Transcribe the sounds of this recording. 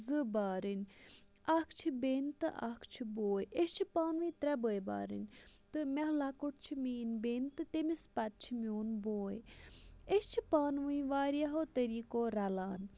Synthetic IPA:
zɨbaːɾinʲɐkʰt͡ʃʰibeːnt̪ɨ̰ʔa̰kʰt͡ʃʰiboːjeʃt͡ʃʰipaːnʋɨ̃it̪ɾɛbəːjba̰ːɾḭnʲt̪ɨmɛɦlakuʈ̚ʰt͡ʃʰimiːnbeːnt̪ɨt̪emispɐt̪̚t͡ʃʰimioːnboːj | est͡ʃʰipaːnʋɨĩʋaːɾiaɦoːt̪ɐɾiːkoːɾɐlaːn

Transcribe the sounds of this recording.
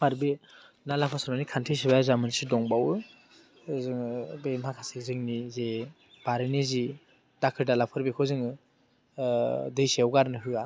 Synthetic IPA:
maɾbe | nalapʰasanmanikʰantʰes̬ibajazamɯnsidɔŋbawɯ | zɯŋbemakʰasezɯŋnize | b̥aɾɯnizi | dakʰɯɾdalapʰɯɾbekʰɯzɯŋ | dɯjsiwɡaɾnɯɦɯa

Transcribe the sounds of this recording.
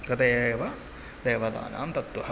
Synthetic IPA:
kɐt̪eːʋɐ | d̪eːʋɐd̪a̰ːna̰ːmt̪ɐt̪ʋɐɦɐ

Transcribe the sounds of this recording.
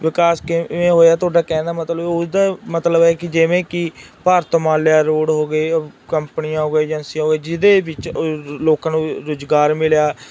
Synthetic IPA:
ʋɪkaːskɪẽːɦoːjaːt̪ʊaːɖaːkɛ̃ːnd̪aːmət̪ləbʊsd̪aːmət̪ləbɛːkɪd͡ʒɪʋẽːkɪpaːɾt̪mãːljaːɾoːɽɦoːɡeːkəmpnɪjãːɦoːɡeːd͡ʒənsiãɦoːɡeːd͡ʒɪd̪eːbɪt͡ʃloːkãːnũːɾʊd͡ʒɡaːɾmɪljaː

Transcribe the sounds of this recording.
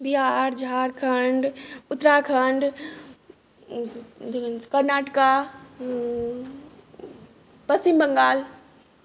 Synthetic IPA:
biɦaɾd͡ʒaɾkʰəɳɖʊt̪ːɾakʰəɳɖ | kəɾnaʈka | pəst͡ʃimbəŋɡaːl

